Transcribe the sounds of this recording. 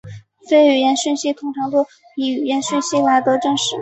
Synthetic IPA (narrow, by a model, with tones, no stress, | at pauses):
fe˥ɪy˨˩jɛ˧˥nɕi˥˧nɕi˥˩t̪ʰʊ˧˥ŋʈ͡ʂʰɑ˧˥ŋt̪ɔ˥ | i˧˩y˨˩jɛ˧˥nɕɥi˥˧nɕi˥˩la˧˥ɪt̪ɤ˧˥ʈ͡ʂɤ˥˧ŋʂɻ̩˧˥